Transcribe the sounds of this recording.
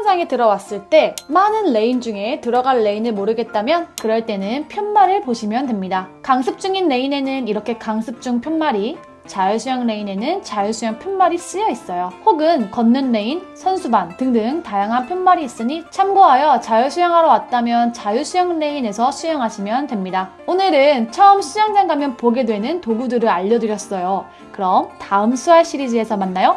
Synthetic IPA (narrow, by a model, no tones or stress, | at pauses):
nsʰaŋetɯɾʌwas͈ɯɭt͈e̞manɯnle̞ind͡ʑuŋe̞tɯɾʌɡaɭːe̞inɯɭmoɾɯɡe̞t̚t͈amjʌnkɯɾʌɭt͈e̞nɯnpʰjʌnmaɾɯɭpoɕʰimjʌndemɲidakaŋsʰɯp̚t͡ɕ͈uŋinːe̞ine̞nɯniɾʌkʰe̞kaŋsʰɯp̚t͡ɕ͈uŋpʰjʌnmaɾi | t͡ɕajusʰujʌŋle̞ine̞nɯnt͡ɕajusʰujaŋpʰjʌnmaɾis͈ɯjʌis͈ʌjohoɡɯnkʌnːɯnːe̞insʰʌnsʰubantɯŋdɯŋtajaŋɦanpʰjʌnmaɾiːs͈ɯɲit͡ɕʰamɡoɦajʌt͡ɕajɯɕʰujaŋɦaɾʌwat̚t͈amjʌnt͡ɕajusʰujʌŋne̞ine̞sʰʌɕʰujʌŋɦaɕʰimjʌntwe̞mɲida | onɯɾɯnt͡ɕʰʌɯmɕʰijaŋd͡ʑeŋɡamjʌnpoɡe̞dwe̞nɯntoɡudɯɾɯɾaʎːʌdɯɾjʌs͈ʌjo | kɯɾʌmtaɯmsʰuɦaɭɕ͈ʰiɾid͡ʑie̞sʰʌmanːajo